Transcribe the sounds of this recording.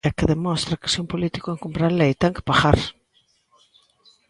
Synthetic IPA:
akɪðemɔst̪ɾakɪ̥seumpolit̪i̥koeŋkompɾaɾlejt̪ɛŋkɪ̥paxaɾ

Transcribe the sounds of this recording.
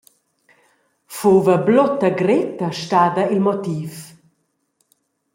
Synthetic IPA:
fuːvəblɔt̪ːɐɡɾɪt̪ɐʃtaːd̪ɐilmɔt̪iːf

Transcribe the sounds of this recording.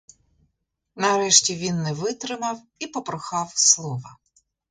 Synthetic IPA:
nɐɾɛʃtʲiʋʲinːɛʋɪt̪ɾɪmɐw | ipɔpɾɔxɑwslˠɔʋɐ

